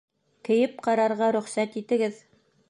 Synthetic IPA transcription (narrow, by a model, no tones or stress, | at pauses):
kɘ̆jɘp̚qɑɾɑɾʁɑɾɵ̆χsæt̪it̪ɘ̆ɡɘð